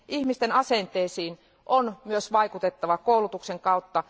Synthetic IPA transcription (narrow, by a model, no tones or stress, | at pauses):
ihmist̪enɑsent̪ˑeːsiːn | ʔonmyøsʋɑikut̪et̪ːɑʋɑkoulut̪ukseŋkɑut̪ːɑ